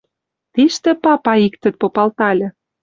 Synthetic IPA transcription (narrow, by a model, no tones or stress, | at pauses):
t̪iʃt̪ĕpɑpɑikt̪ə̆t̪̚popɑlt̪ɑlʲĕ